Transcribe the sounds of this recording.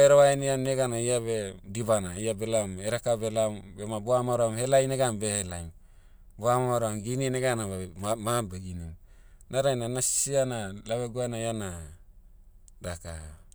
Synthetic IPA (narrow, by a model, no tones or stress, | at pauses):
eɾaβajnianːeɡanaijaβediβanaiabelameɾakabelambemabuamaɾamhelajneɡambehelajm | buamaaɾamɡinineɡanaβamabeɡinim | naɾajnanassianalaβeɡuanajana | daka̰